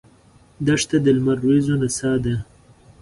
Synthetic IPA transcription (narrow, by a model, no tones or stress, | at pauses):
d̪aʂt̪ad̪əlmaɾwezonasɑd̪a